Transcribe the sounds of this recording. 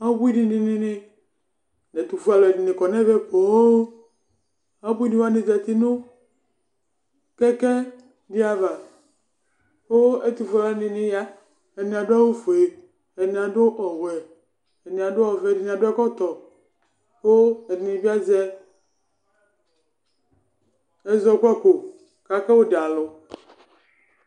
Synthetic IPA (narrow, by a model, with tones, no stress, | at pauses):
a˦bu˦i˦di˨ni˨nɪ˦nɪ˦ | nɛ˨t̪u˨fu˦a˨lɔ˨ɛ˨ni˨nɪ˨kɔ˨nɛ̃˦vɛ˦po˨o˦ | a˨˦bu˦i˦dĩ˦wa˦ne˨zɛ˨t̪i˦nʊ˦ | kɛ˦kɛ˦ | dɪ˦a˨va˨ | wo˦ɛ˦t̪u˨fu˦a˨lnɪ˨nɪ˨ja˦ | e˨nĩ˨a˨ɖo˦a˦wo˦fo˨e˨ | ɛ˨nĩ˨a˨ɖo˦ʔɔ˨wɛ˨ | e˨nĩ˨a˨ɖo˦ɔ˨vɛ˨i˨nĩ˨ã˨ɖo˦ɛ˦kɔ˦t̪ɔ˨ | xo˦ɛ˨dne˨bi˦a˦zɛ˦ | ɛ˦zɔ˨kʷɛ˦ko˨ | ka˨kɛ˦wo˦da˨lo˨